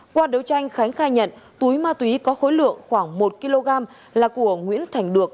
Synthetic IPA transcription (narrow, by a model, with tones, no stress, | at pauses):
kwaː˧ɗə˨˦wt͡ɕa˧jŋ̟xa˨˦jŋ̟xaː˧jɲə̰˧˨nt̪u˨˦jmaː˧t̪wi˨˦kɔ˨˦xo˨˦jlɨ̰˧˨əŋxwaː˧˩ŋmo˨˩t̚ki˧lo˧ɣaː˧m | laː˨˩ku˧˩əŋwḭ˧˥ənt̪ʰa˨˧˩jŋ̟ɗɨ˨˩ək̚